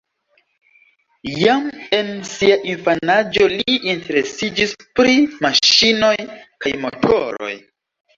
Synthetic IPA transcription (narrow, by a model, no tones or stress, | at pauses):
jame̞nsiaʔinfanad͡ʒo̞liinte̞ɾe̞sid͡ʒispɾimaʃino̞jkajmo̞̰tʰo̞̰ɾo̞̰j